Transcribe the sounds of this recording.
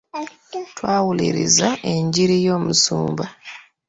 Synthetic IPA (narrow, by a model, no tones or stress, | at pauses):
twaːwulḭɾḭzaʔe̞ɲɟiɾijo̞ːmusṵːmba